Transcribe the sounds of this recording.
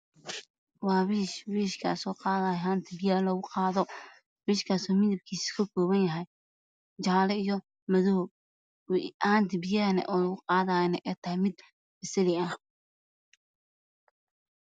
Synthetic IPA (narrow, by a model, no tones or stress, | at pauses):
wɑːwiːʃwiːʃkʰaːsɔːqɑːðaːjɛɦaːnt̪ʰɪbɪjaːlɔɣʊqɑːðɔ | wiːʃkʰaːsɔːmɪðɐb̚kʰiːsi̥kʰɐkʰɔːβɐnjɐɦɛj | t͡ʃaːlɛijɔ | mɐðʊɦ | aːnt̪ʰɪbɪjaːɾnɛ̰ʔɔːlɐɣʊqɑːðaːnɛʔɛːt̪ʰɐɦɛmɪd̪ | bɪsɐlɪɐh